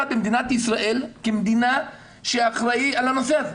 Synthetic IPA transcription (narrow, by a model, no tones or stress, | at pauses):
abemd̪inat̪isʁaʔelkemd̪ina | ʃeːχʁaialano̞seaze